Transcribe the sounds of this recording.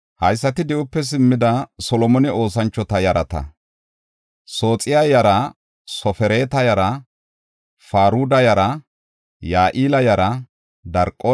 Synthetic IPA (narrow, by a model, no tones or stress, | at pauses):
hɐjsːɐt̪ɪd̪ɪʔʊpːɛs̬ɪmːɪd̪ɐsɔlɔmɔnɪo̞ːsɐnt͡ʃːɔt̪ɐjɐɾɐt̪ɐ̰ | so̞ːt͡sʼɪjɐjɐɾɐ | sɔfɛɾeːt̪ɐjɐɾɐ | faːɾuːd̪ɐjɐɾɐ | jaːʔiːlɐjɐɾɐ | d̪ɐɾkʼːo